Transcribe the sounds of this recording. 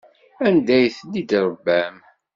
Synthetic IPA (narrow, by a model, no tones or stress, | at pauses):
ænd̪æjθlid̪ɾˤəbːæm